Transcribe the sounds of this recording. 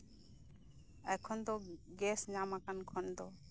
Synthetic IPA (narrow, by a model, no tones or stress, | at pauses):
ɛkʰɔnd̪ɔɡɛsɲamakankʰɔnd̪ɔ